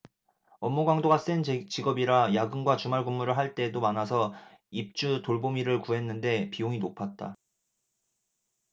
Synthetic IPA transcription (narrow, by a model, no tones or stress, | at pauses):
ʌmːuɡwaŋdoɡas͈ent͡ɕiɡʌbiɾajaɡɯnɡwat͡ɕumaɭɡumːuɾɯɭɦaɭt͈e̞domanas̬ʰʌ | ip̚t͡ɕ͈utoɭbomiɾɯɭkuɦe̞nːɯnde̞pioŋinopʰat̚t͈a̰